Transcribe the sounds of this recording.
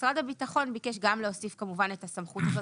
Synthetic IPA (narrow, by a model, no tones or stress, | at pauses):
sʁadabitaχo̞nbikeʃ̬ɡamleosifkamuvanetasamχut̪azo